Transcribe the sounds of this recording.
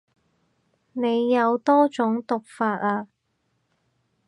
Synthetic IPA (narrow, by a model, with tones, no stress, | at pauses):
ne˨˧jːɐ˨˧wt̪ɔː˥t͡sʊ˨˥ŋt̪ʊ˨k̚faː˧t̚aː˧